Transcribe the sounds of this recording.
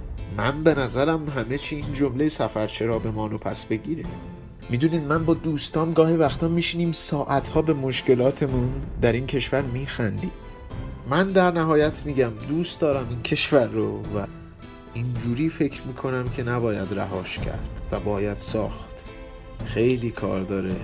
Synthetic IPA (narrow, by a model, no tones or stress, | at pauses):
mænbe̞næzæɾæmɦæme̞t͡ʃʰiːind͡ʒo̞mlejesæfæɾt͡ʃʰe̞ɾɒːbe̞mɒːnopʰæsbe̞ɟiːɾi | mid̪uːniːd̪mænbɒːd̪uːst̪ɒːmɡɒːhivæxt̪ɒːmiːʃiːniːmsɒːʔæt̪ʰhɒːbe̞mo̞ʃce̞lɒːt̪ʰe̞mund̪æɾiːncʰe̞ʃvæɾmiːxænd̪iːm | mænd̪æɾnæɦɒːjæt̪ʰmiːɟæmd̪uːst̪d̪ɒːɾæmincʰe̞ʃvæɾːovæ | ind͡ʒuːɾiːfe̞cʰɾmiːkʰo̞næmcʰe̞næbɒːjæd̪ɾæ̰ɦɒːʃcʰæ̰ɾd̪̥væbɒːjæd̪̥sɒːxt̪ | xe̞jliːkʰɒ̰ːɾd̪ɒːɾe